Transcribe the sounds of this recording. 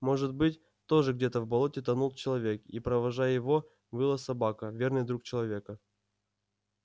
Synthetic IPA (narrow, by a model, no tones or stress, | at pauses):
mo̞ʐɨt̪̚bɨtʲ | t̪o̞ʐɨɡdʲet̪əvbɐlˠo̞tʲɪt̪ɐnulˠt͡ɕɪlˠɐvʲe̞kipɾəvɐʐajjɪvo̞ | vɨlˠəsɐbakəvʲe̞rnɨjd̪ɾuk̚t͡ɕɪlˠɐvʲe̞kə